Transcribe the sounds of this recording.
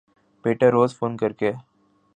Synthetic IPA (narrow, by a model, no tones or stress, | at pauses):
peːʈəɾːoːzfoːnkəɾke